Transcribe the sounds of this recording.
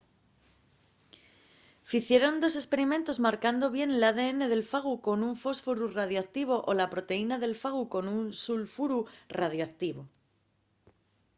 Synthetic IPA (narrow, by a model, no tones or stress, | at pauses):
fiθje̞ɾo̞nd̪o̞s̬e̞spe̞ɾimẽ̞nt̪o̞zmaɾkand̪o̞βje̞nlaðe̞ene̞ð̞e̞lfaɣ̞uko̞nuɱfo̞sfoɾurað̞joak̚t̪iβ̞o̞ʔolapɾo̞t̪e̞inaðe̞lfaɣ̞uko̞nunsulfuɾurað̞joakt̪iβo̞